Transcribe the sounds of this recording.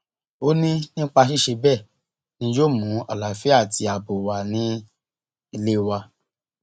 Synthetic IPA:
o˦nĩ˦nĩ˦k͡pa˧ʃi˦ʃe˧bɛ˦˨ | nĩ˧˦jo˦˨mũ˨˦ɔ˨la˨fi˦a˦˨ti˧˦a˨bo˨wa˨nĩ˨˦ | i˧le˦wa˧

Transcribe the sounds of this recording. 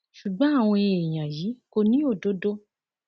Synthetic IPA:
ʃu˨ɡ͡bɔ̃˨˦a˦˨w̃ɔ̃˧e˧˨e˨j̃ã˨ji˨˦ko˧nĩ˦o˦˨do˨˦do˦

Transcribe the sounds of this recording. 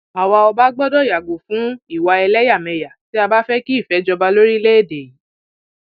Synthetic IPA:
a˨wa˧ɔ˧ba˦ɡ͡bɔ˦dɔ˦˨ja˨ɡo˨fũ˨˦i˦˨wa˧ɛ˧lɛ˦ja˦˨mɛ̃˧ja˨ti˨˦a˧ba˦fɛ˦ki˦i˦˨fɛ˨˦d͡ʒɔ˧ba˧lo˦ɾi˦le˦e˦˨de˨ji˨˦

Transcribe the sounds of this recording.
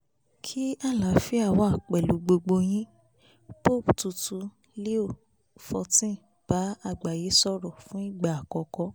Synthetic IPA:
kʰi˦a˦˨la˨fi˦a˦˨wɔ̃˨˧a˨k͡pɛ˨lu˨˦ɡ͡bo˧ɡ͡bo˧j̃ĩ˦ | po˦˨ptu˧tu˧ | le˦o˦˨ | fɔ˨˧tĩ˦˨ | b̥a˨˦a˦˨ɡ͡ba˨je˨˦sɔ˦ɾɔ˨fũ˦i˦˨ɡ͡ba˨a˨kɔ˧kɔ˧˦

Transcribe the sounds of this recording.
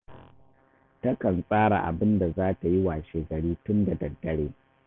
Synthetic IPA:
tɐ˦kɐ˨nsʼaː˦ɽa̰˨ʔa̰˨bɪ˦nda˨zaː˦ta˨ji˦waː˨ʃeː˨ɡɐ˨ɽiː˦tʊ˦nda˨dɐ˨dːɐ˦ɽeː˦

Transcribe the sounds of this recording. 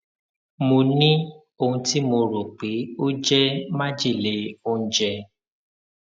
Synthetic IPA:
mõ˧nĩ˦ | o˧ũ˧ti˦mo˧ɾo˨k͡pe˨˦o˦d͡ʒɛ˦mã˦d͡ʒi˦˨le˨˦o˦ũ˦d͡ʒɛ˧

